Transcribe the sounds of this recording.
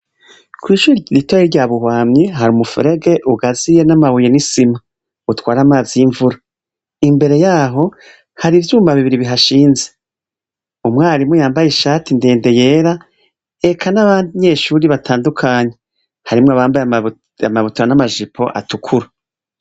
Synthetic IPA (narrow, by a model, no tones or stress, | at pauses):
kwiːʃuːɾiɾitwaiɾɟaːβuhwaːmɲiɦaɾiumufṵɾe̞ɡe̞ʔuɡazije̞namaβujenisima | utwaːɾamaːziiɱvuɾa | imbe̞ɾe̞jaːɦo̞ | haɾivjuːmbaβiβiɾiβiɦaʃiːnze̞ | umŋaːɾimujaːmbajeʃaːtindeːnde̞jeːɾa | ekʰanaβaːndiɲe̞ːʃuɾiβatʰaːndukʰaːɲe̞ | haɾimŋoaβaːmbaja | amaβutuɾanamaʒipʰo̞̰ʔa̰tukʰuɾa